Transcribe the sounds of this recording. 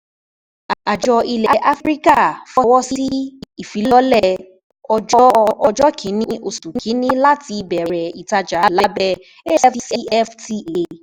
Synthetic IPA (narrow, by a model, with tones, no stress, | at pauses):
a˨d͡ʒɔ˧i˧lɛ˨ʔa˦fɾi˦ka˦˨fɔ˧wɔ˦si˦i˦˨fi˨˦lɔ˦lɛ˦˧ | ɔ˧d͡ʒɔ˦˧ʔɔ˧d͡ʒɔ˦kʰĩ˨˦nĩ˦ʔo˧su˨˦kʰĩ˨˦nĩ˦la˦ti˧bɛ˨ɛɾɛ˨i˨ta˧d͡ʒa˨˦laɛ˦bɛ˧ | e˦ɛ˦fsi˦ɛ˦fti˧˦e˨˧